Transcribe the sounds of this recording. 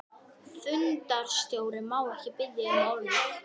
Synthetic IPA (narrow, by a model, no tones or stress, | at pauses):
θʏnt̪aɾ̥st̪jowɾɪmaːwɛhcɪpɪðːɪɪmawlɪt̪